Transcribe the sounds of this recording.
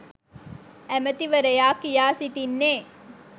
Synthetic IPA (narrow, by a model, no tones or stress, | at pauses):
æmət̪iʋəɾəjaːkijaːsit̪inːeː